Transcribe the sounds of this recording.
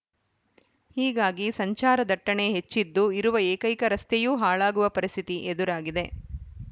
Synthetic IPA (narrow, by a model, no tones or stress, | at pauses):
hiːɡaːɡisɐɲt͡ʃaːɾɐd̪ɐʈːɐɳe̞ɦet͡ʃːid̪ːuiɾuʋɐeːkɐjkɐɾɐst̪ejuːɦaːɭaːɡuʋɐpɐɾist̪ʰit̪iʔed̪uɾaːɡid̪e̞